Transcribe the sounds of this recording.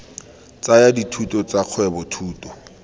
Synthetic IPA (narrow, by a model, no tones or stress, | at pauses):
t͡sajaditʰutʼɔt͡saq͡χʰwɛbɔtʰuːtʼɔ̥